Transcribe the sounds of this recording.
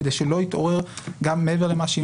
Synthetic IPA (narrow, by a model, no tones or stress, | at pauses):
d̪ejʃelo̞it̪o̞ʁeʁɡamːeeveʁlemaʃei